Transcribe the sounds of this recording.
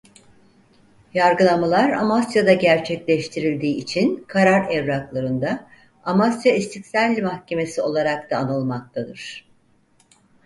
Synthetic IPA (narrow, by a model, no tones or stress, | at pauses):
jaɾɡɯlˠamalˠaɾa̰masjad̪aɟæɾt͡ʃʰɛclʲɛʃt̪ʰiɾilʲd̪iːit͡ʃʰinkʰaɾaɾɛvɾaklˠaɾɯnd̪a | amasjaist̪ʰicsælʲːmahcʰe̞me̞sio̞lˠaɾak̚t̪ʰaːnɯlˠmak̚t̪ʰad̪ɯ̰ɾ̥